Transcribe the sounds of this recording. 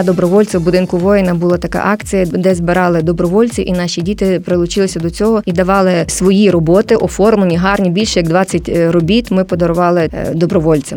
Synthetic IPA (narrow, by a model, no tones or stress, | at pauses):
ɐd̪ɔbɾɔʋɔlʲt͡sʲɪbʊd̪ɪnkʊʋɔjɪnɐbʊlˠɑt̪ɐkɑ̰ʔɑkt͡sʲijɐd̪ɛzbɪɾɑlˠɪd̪ɔbɾɔʋɔlʲt͡sʲiʔinɑʃʲidʲit̪ɪpɾɪlˠʊt͡ʃɪlˠɪsʲɐd̪ɔt͡sʲɔɦɔid̪ɐʋɑlˠɪsʋɔjiɾɔbɔt̪ɪʔɔfɔrmlˠenʲiɦɑrnʲibʲilʲʃɛjɐɡd̪ʋɑt͡sʲːɐtʲrɔbʲit̪mɪpɔd̪ɔɾʊʋɑlˠɪd̪ɔbɾɔʋɔlʲt͡sʲɪ